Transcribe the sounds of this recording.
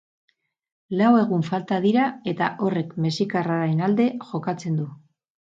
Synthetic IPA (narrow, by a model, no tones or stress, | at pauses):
lawe̞ɣ̞uɱfalt̪aðiɾae̞t̪aʔo̞re̞kme̞sikaraɾaenald̪e̞ʝo̞kat͡se̞nd̪u